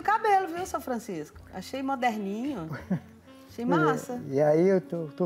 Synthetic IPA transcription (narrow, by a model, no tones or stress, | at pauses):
kabelʊviwsɐ̃w̃fɾɐ̃siskʊ̥ʊa̰ʃejmod̪ɛɾnĩɲʊ | aʃejmasɐiaiewt̪ot̪o